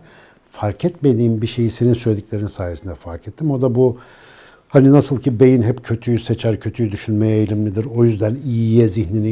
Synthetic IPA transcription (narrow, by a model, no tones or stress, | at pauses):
faɾcʰɛt̪me̞d̪iːmbiʃe̞jise̞ninsølʲed̪iclʲe̞ɾinsaːijesind̪ɛfaɾcʰɛt̪ʰːimo̞d̪abu | haninasɯlˠcʰibe̞jinɦɛpcʰø̞t̪ʰyjyset͡ʃʰæɾcʰø̞t̪ʰyjyd̪yʃynmejɛjlʲimlʲid̪iɾo̞jyzd̪ænijijɛziçnini